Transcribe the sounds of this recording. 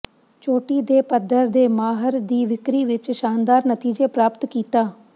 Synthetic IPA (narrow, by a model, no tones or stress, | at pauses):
t͡ʃoːʈiːd̪eːpəd̪əɾd̪eːmaːɦəɾd̪iːʋɪkɾiːʋɪt͡ʃʃaːnd̪aːɾnət̪iːd͡ʒeːpɾaːpət̪kiːt̪aː